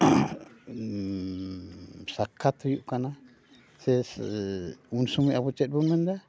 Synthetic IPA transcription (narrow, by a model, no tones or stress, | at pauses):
sakʰat̪ɔjuʔkana | sɛs | unsumuʔabut͡ʃɛt̪̚bunmənd̪a